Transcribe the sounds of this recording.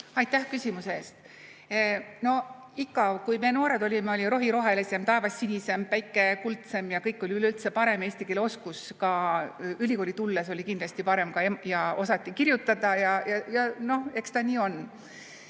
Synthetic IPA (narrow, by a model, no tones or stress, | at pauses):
ɑjt̪ːæhkysʲimuseeːst̪ | no̞ | ikːɑkujme̞ːno̞ːɾe̞d̪o̞lʲimeo̞lʲiɾo̞ɦiɾo̞ɦe̞lise̞mt̪ɑe̞vɑsːinʲise̞mpæjkːˑe̞kult̪se̞mjɑkɤjkˑːo̞lʲiylylt̪se̞pɑɾe̞me̞ːsʲt̪ike̞lo̞skuskɑylʲiko̞ːlʲit̪ulːeso̞lʲikind̪lɑsʲt̪ipɑɾe̞mkɑemjɑo̞sɑt̪ˑːikirjut̪ːˑɑd̪̥ɑjɑjɑjɑno̞he̞kst̪ɑniːo̞n